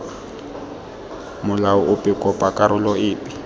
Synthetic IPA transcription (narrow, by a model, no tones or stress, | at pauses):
mʊlaʊʊpʼɪkʼɔpʼakʼaɾʊlɔɪːpʼɪ